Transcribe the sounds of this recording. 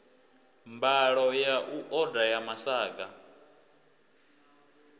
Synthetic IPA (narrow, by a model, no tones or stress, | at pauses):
mbaɺɔjaʔuʔɔdajamasaːɡa